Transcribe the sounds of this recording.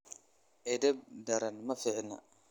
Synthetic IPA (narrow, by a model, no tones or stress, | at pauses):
ʔɛd̪ɛb̚dɐɾɐnmɐfɪʕnɐ̰